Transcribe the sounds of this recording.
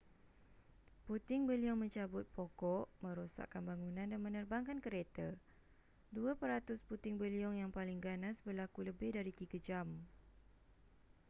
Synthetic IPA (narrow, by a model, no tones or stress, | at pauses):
put̪ɪŋbəliɔŋmə̃ɲt͡ʃabʊt̪̚pʰɔkɔʔmə̃ɾosa̰ʔkanbaŋunãndanmə̃nərbaŋkankəɾet̪ə | duəpəɾat̪ʊsput̪ɪŋbəliɔŋjaŋpalɪŋɡanãsbərlakuləbɪhdaɾit̪iɡad͡ʒam